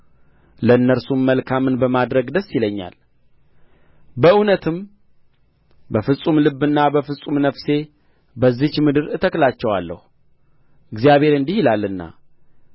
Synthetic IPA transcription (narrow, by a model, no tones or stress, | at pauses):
ləɨnːəɾsumːəlkʰamɨnbəmad̪ɾəɡd̪əsːiləɲːa̰l | bəʔunət̪ʰɨm | bəfɨsʼumlɨbːɨnːabəfɨsʼumnəfse̞ | bəzːit͡ʃmɨd̪ɨɾɨt̪ʰəklat͡ʃːɛwalːə̰hu | ɨɡzijaβhe̞ɾɨnd̪ihilalːɨnːa̰